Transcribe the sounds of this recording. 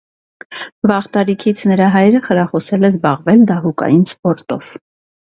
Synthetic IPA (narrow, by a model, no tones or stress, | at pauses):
vɑʁt̪ɑɾikʰit͡sʰnəɾɑɦɑjɾəχəɾɑχɔsɛlɛzbɑʁvɛld̪ɑɦukɑ̰jinspɔɾt̪ɔv̥